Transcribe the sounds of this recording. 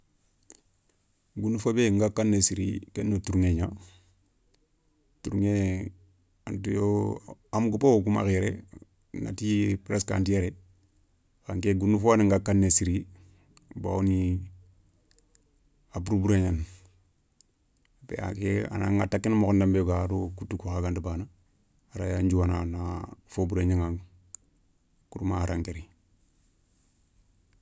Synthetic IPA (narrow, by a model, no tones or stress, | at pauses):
ɡunufobeŋɡakːanːesiɾḭkenːotuɾuŋeɲa | tuɾuŋe | antujoamɡupookuma̰keɾḛ | na̰tipɾeska̰ntijeɾe | kaŋkeɡunːufoniŋɡakːanːesiɾi | ba̰oni | abuɾubuɾeɲan | pḛa̰kea̰na̰ŋatakːinmokondambeɡaɾokutːukuxaɡandubaːna | aɾa̰jaɲd͡ʒuwananafobuɾeɲaŋa | kuɾumaɾaŋkeɾi